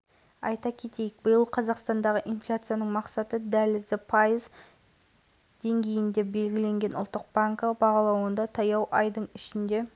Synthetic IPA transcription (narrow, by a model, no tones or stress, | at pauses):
ɑjt̪ɑkʲʰe̞t̪e̞jɪk̚bəjəlˠqʰɑzɑqst̪ɑnd̪ɑʁəʔinflʲat̪sɨjanəɴmɑqsɑt̪əd̪ælɪzd̪ɪpʰɑjəz | d̪̥e̞ŋɡʲe̞jɪnd̪e̞be̞lɡʲɪle̞ŋɡʲe̞nʊlˠt̪ːəq̚baŋkəbɑʁɑlˠɑwənd̪ɑt̪ʰɑjɑwʔɑjd̪əɴɪʃɪnd̪e̞